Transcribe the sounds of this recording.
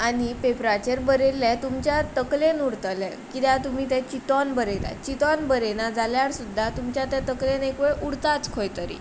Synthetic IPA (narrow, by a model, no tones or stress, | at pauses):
añipepɾat͡ɕəɾbəɾelːɛt̪umt͡ɕjat̪əklenuɽt̪əlɛ̰ | kit̪jãt̪um̤iːt̪ɛ̃t͡ɕit̪ɔnbəɾela̰t͡ɕit̪ɔnbəɾenad͡zaljaɽsud̪ʱːat̪umt͡ɕjat̪ɛ̃t̪əklenekʋeɭʔuɽt̪at͡skʰojt̪əɾḭ